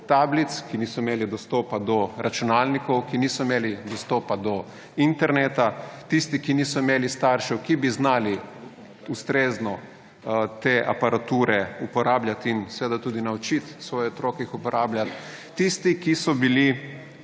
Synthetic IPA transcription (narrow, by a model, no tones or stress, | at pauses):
t̪aːblit̪skiniːsɔimeːlid̪ɔst̪ɔːpad̪ɔɾʔat͡ʃunaːlnikɔwkinisɔimeːlid̪ɔst̪ɔːpad̪ɔ | int̪ɛɾneːt̪at̪ist̪ikiniːsɔimeːlist̪aːɾʃɛwkibiznaːli | ust̪ɾeːznɔ | t̪eːʔa̰paɾat̪uːɾɛupɔɾaːblʲjat̪insɛːd̪at̪uːd̪inawt͡ʃit̪sʋɔːjɛɔt̪ɾɔːkɛixupɔɾʔaːblʲjʲat̪ː | ist̪ikisɔbili